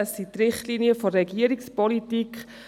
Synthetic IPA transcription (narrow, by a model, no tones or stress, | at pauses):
əsːit̪rɪχtliniəfɔɾɛɡiəɾikspɔlitikχ